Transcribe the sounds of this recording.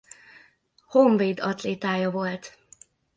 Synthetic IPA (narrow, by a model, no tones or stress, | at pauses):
hoɱveːd̪ɒt̪leːt̪aːjɒvo̞lt̪